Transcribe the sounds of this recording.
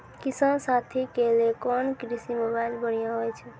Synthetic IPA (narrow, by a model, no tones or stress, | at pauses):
kisansat̪ʰikelekɔnkɾisimobajlbəɽ̤ijãɦojt͡ʃʰu